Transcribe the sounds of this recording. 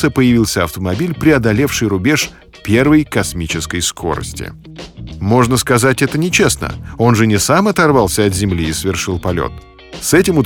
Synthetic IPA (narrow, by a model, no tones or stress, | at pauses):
əpəjɪvʲilˠsʲəɐft̪əmɐbʲilʲpɾʲɪɐd̪ɐlʲefʂɨjɾʊbʲeʂ | pʲe̞rvəjkɐsmʲit͡ɕɪskəjskʰo̞̰ɾə̰sʲtʲɪ̰ | mo̞ʐnəskɐzatʲɛt̪ənʲɪt͡ɕesnə̰o̞nʐɨnʲɪsamɐt̪ɐrvalˠsʲəɐt̪zʲɪmlʲiːsvʲɪrʂɨlˠpɐlʲo̰t̪ | sɛtʲɪmʊt̪